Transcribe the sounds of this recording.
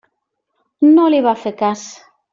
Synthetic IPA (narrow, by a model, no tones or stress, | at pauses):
nõliβafekas